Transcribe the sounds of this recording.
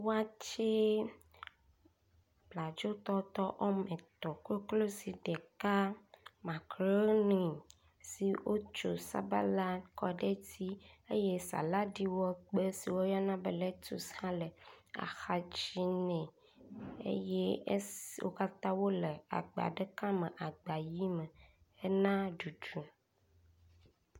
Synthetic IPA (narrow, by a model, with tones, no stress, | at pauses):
wo˦a˦t͡ʃe˦ | bla˨d͡ʒo˦t̪ɔ˦t̪ɔ˦ʔɔ˦mẽ˨t̪ɔ˨ko˦klo˦si˨ɖe˨ka˦mã˨kɾo˦nĩ˨ | si˨wʔo˦t͡ʃo̰˨sa̰˦ba̰˦la˦kɔ˦ɖe˦t̪i˦e˦je˦sa̰˨la˦ɖi˦wɔ˦k͡pe˦si˨wo˦jɔ˦nã˦bə˨le˦t̪o˨shã˦lə˨a̰˨xa˨d͡ʒi˦nɛ̃˨ | ḛ˦je˦wo̰˦ka˦t̪ã˦wo˦le˨a̰˨ɡ͡ba̰˨ɖe˦kã˦me˨ʔa˨ɡ͡ba˨ji˦mə˨ | e˦nã˦ɖu˨d͡ʒu˨